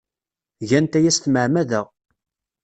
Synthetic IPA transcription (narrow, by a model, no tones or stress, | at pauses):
ʝænt̪æjæst̪məʕmæðəʁ